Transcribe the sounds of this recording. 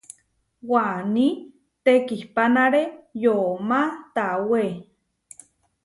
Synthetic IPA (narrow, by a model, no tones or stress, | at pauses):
wani | t̪ekihpanaɾejomat̪awe